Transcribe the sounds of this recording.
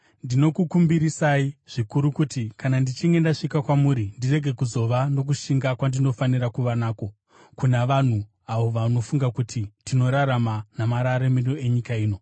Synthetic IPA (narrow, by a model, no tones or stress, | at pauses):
ndino̞kukumbiɾisaiʐ̥ikuɾukutikanandit͡ʃiŋɡe̞ndaʂikakwamuɾindire̞ɡʱe̞kuzo̞ʋano̞k̬uʃiŋɡakwandino̞faniɾakuʋanaːko̞ | kunaʋan̤u | aʋo̞ʋano̞fuŋɡakutitino̞ɾaɾamanamaɾaɾemiroe̞ɲikaiːno̞